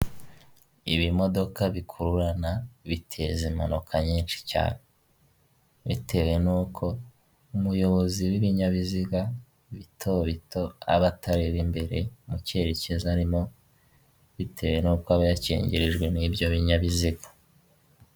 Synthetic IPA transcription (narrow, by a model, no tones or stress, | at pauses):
iβimo̞do̞kaβikʰuɾuɾanaβitʰe̞zemanokʰaɲiːnʃi̥ca̰ːne | βitʰe̞we̞nuːkʰo̞ | umujo̞βo̞ziwiβiɲaβiziɡa | βitʰoβito̞a̰βatʰaɾeβimbe̞ɾe̞muceɾecezaɾimo̞ | βitʰe̞we̞nuːkoaβajacḛːɲɟeɾeʒɡwe̞niːbjoβiɲaβiziɡa